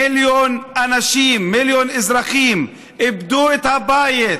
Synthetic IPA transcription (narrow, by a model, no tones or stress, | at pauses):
iljonʔanaʃimːiljonezɾaχim | ibd̪uet̪habajet̪